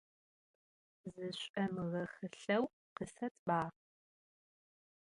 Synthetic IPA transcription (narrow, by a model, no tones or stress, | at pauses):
zɨɕʷʼɐmɨʁɐχɨɬɐw | qəsɐtʰbaː